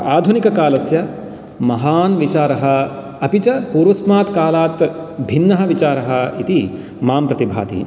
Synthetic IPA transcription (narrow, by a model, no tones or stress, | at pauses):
aːd̪ʱunikɐkaːlɐsjɐ | mɐɦaːnʋit͡ʃaːɾɐɦɐ | ɐpit͡ʃɐpuːɾʋɐsmaːt̪kaːlaːt̪bʱinːɐɦɐʋit͡ʃaːɾɐɦɐit̪i | maːmpɾɐt̪ibʱa̰ːt̪ḭ